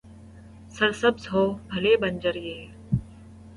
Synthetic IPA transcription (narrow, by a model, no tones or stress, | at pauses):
səɾsəbzɦoːbʱəleːbənd͡ʒəɾjeː